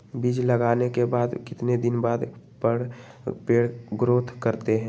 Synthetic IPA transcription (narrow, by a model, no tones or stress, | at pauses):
biːd͡ʒləɡaːnekebaːd̪kɪt̪ned̪ɪnbaːd̪ | pəɽ | peːɽɡɾoːt̪ʰkəɾt̪eɦɛ̃ː